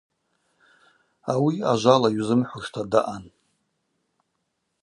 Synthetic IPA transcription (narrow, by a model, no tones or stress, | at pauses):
awiaʒʷalaɥzɨmħʷʊʂtʰadaʔan